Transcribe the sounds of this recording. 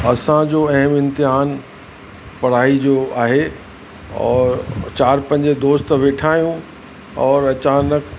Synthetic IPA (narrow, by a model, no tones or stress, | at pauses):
ɐsãd͡ʑoːɐɦəmɪ̃nt̪ɪɦaːn | pɐɽ̤aːid͡ʑoaːɦe | ɔ̰ːɾt͡ɕaːɾpɐ̃ɲd͡ʑed̪oːst̪ʋeːʈʰaːijũ | ɔːɾɐt͡ɕaːnək